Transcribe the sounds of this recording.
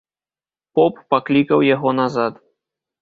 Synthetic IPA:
pɔpːaklʲikɐwjaɣɔnazat̪

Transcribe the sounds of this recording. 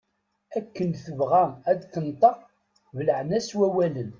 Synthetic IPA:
ækːənθəvʁææd̪θənt̪ˤɑ | vələʕnæswæwælən

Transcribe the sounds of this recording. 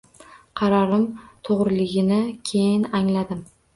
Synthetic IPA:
qʰɑɾɒɾɪmt̪ʰoʁɾɪlɪɡʲɪnɪkʲʰe̞jɪnaŋlad̪ɪm

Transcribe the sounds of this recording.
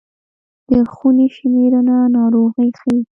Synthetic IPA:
d̪̥əxuneʃmeɾananɑɾoɣəjxawi

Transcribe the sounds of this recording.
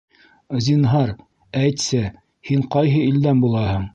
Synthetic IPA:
zʲinɦɑɾ | æjt̪sɘ | hiɴqɑjɦɤild̪ænbulˠɑhɤɴ

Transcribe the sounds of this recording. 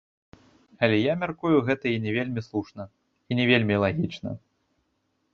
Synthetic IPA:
ɐlʲɛjamʲarkujuɣɛt̪ɐinʲɛvʲelʲmʲislˠuʂnɐ | inʲɛvʲelʲmʲilˠaɣʲit͡ʂnɐ̰

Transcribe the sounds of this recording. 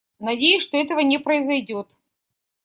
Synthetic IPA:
nɐdʲejʊsʲʂt̪oɛt̪əvənʲɪpɾəɪzɐjdʲo̞t̪

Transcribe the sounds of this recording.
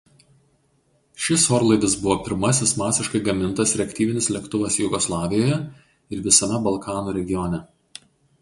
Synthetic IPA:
ʃʲɪsoːɾlˠɐɪd̪ɐsbʊʋoːpʲɪɾmɐsʲɪsmɑːsʲɪʃkɐɪɡɐmʲɪnˑt̪ɐsɾʲɛkʲt̪ʲiːʋʲɪnʲɪslʲɛkt̪ʊʋɐsjʊɡɔslˠɑːʋʲɪjoːjɛ | ɪɾʋʲɪsɐmʲɛbɐlˠkʰɑːnuːɾʲɛɡʲɪjɔnʲɛ

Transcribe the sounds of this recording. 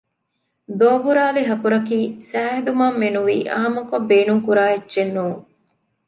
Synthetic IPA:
d̪oːbuɾaːliɦɐkuɾɐkiːsæːɦed̪umaːmːenuʋḭːʔa̰ːmɐkobːeːnuŋkuɾaːedːʒenːuːŋ

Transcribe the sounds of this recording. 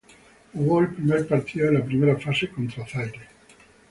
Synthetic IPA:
uɣɔlpɾimɛlpaɾt̪ʰialapɾimeɾafasekont̪ɾoaθajd̪e

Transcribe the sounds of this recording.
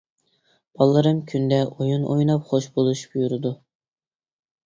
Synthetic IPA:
b̥ɑlˠːɨɾɨmkʲʰynd̪ɛojunʔojnɑpχoʃbolˠuʃbujuɾɨd̪u

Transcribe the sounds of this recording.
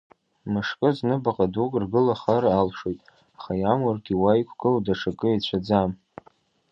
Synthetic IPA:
mɨʂkʼɨznɨbaqʼadukʼrɡɨlaχaɾaːlʂojtʼ | aχajamarɡʲiwajkʷʰʼɡʼɨldaʂʰakʼɨat͡ɕʷʰad͡zam

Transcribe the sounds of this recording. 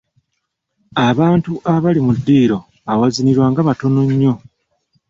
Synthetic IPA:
aβaːntuʔaβalimudːiːɾo̞ | awaziniɾwaːŋɡaβato̞no̞ɲːo̞

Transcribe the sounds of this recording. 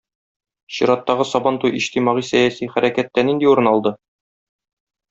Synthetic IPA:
ɕiɾɑt̪ːɑʁɤsɒbɑnt̪ujʔiɕt̪imɑʁisæjæsiχæɾʔækæt̪ːænind̪iuɾɤ̆nɑlˠd̪ɤ

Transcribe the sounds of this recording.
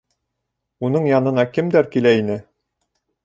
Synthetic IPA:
unɤɴjɑnɤ̆nɑkɘmd̪æɾkilæinɘ

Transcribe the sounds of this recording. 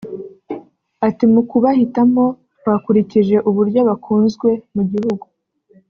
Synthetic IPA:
atimukuβahitamo̞ | βakuɾiciʒe̞ʔuβuɾɟo̞βakʰuːnzɡwe̞muɟihuɡu

